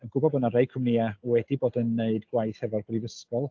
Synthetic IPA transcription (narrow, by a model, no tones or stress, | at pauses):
ənɡ̥ʊbɔbənaɾeɨkʰəmniawɛdiboːdənːeɨdɡwajθhɛvɔrbrivəskɔlˠ